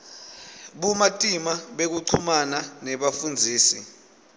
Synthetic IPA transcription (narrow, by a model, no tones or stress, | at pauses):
ɓumatʼimaɓek̬uǀʰumananɛɓafund͡zʱiːsi